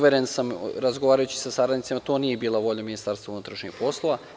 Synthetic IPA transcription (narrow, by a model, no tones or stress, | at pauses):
ʋe̞ɾensamɾazɡoʋaːɾajut͡ɕi̥sasaɾad̪nit̪semat̪o̞ːnijebiːlˠaʋo̞ʎaminist̪aːɾst̪ʋaunut̪ɾaʃɲḭxpo̞slˠo̞ʋa